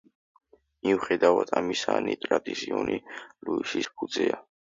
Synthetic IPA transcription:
miuχɛd̪avad̪ʰamisanit̪ʼɾad̪isiɔniluisispʰud̪zɛa

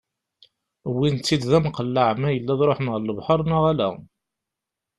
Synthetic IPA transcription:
wint̪ːid̪ðæmqəlːəʕmæjəlːæðɾˤoħmʁəlːəvħɑɾˤnaʁælæ̰

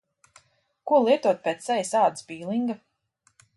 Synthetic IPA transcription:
kuɔlˠiɛt̪uɔt̪̚pʲet̪sɛjʲisaːd̪sbiːlˠiŋɡa

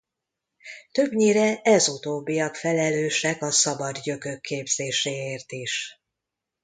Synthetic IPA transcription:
t̪ø̞bɲiːɾɛʔɛzut̪oːbːijɒkfɛlɛløːʃɛkɒsɒbɒd̪jø̞køkʰːeːbz̥eːʃeːeːrt̪iʃ

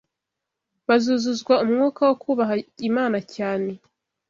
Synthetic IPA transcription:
βazuːzuzɡwaumŋuːkawokʰuːβaɦaimaːnacaːne̞

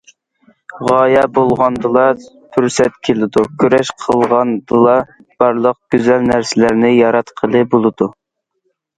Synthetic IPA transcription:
ʁɑːjɑbolˠʁɑnd̪ɨlˠɑt̪ʰyɾsɛt̪kʲʰelɪd̪ukʲʰyɾɛʃqʰəlˠʁɑnd̪ɨlˠɑ | b̥ɑɾlˠəq̚ɡ̥ʲyzælnæɾsɪlæɾnɪjɑɾɑt̪qʰəlˠɨbolˠɨd̪u

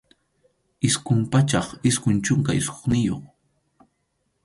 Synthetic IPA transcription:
ɪskʊmpat͡ʃɑχɪskʊnt͡ʃʊŋkaɪsko̥χnɪjo̰χ

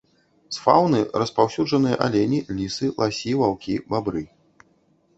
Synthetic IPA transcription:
sfawnɨrɐspawsʲud͡ʐʐɐnɨjɐ̰ʔa̰lʲɛnʲilʲisɨlˠasʲiwawkʲibabɾɨ

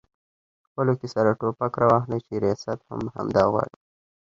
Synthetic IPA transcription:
xpəlokesaɾaʈopakɾɑwɑxlat͡ʃeɾijɑsat̪ha̰mha̰md̪ɑɣwɑ̰ɽi

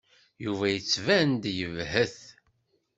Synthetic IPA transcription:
juvæjət͡sːvænd̪jəvhəθ

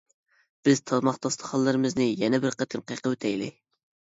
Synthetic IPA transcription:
b̥ɪz̥t̪ʰɑzmɑχt̪ɑst̪ʰə̥χɑlˠːɨɾɨmɨznɨjɛnɛbɪɾqət̪ʰɨmqəjqʰəwøt̪ʰɛjlɪ̰

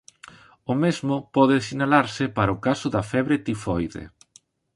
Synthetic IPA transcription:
ʊmezmʊpɔðɪsinalaɾsɪpaɾaʊkasʊðɐfɛβɾet̪ifɔjðḛ

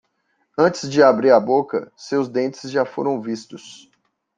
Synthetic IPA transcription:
ɐ̃nt͡ʃɪzd͡ʒɪabɾiɾabokɐsewzd̪ẽnt͡ʃɪzʒafo̰ɾɐ̃w̃vist̪ʊs

